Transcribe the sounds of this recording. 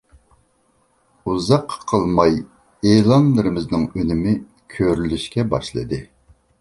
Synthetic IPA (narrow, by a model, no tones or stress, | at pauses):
uzɑqʰːqʰːəlˠmɑj | elˠɑnlˠɨɾɨmɪznɨŋønɪmɪ | kʲʰøɾylyʃkʲɛbɑ̰ʃlˠɨ̰d̪ɨ